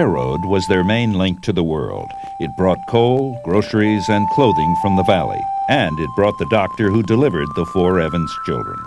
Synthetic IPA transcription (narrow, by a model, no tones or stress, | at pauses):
ɛɹo̰ʊd̚wʌzðə˞mẽɪ̃nlɪ̃ŋk̚tʰɨðəwɜ̰˞lˠd | ɨt̚b̥ɹɔt̚kʰoʊlˠɡɹoʊsə˞izɨ̃nkʰl̥oʊðɪ̃ŋfɹʌ̃mðəvælˠḭɨ̃nɨt̚b̥ɹɔt̪̚ðɨdɑk̚tə˞ɦudɨlɪvə˞d̪̚ðəfɔɹɛvɨ̃nz̥t͡ʃʰɪ̰lˠdɹə̰̃n